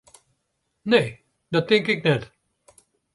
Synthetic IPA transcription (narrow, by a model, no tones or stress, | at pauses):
ne | dʌt̪ːɪ̃ŋkɪk̚nɛt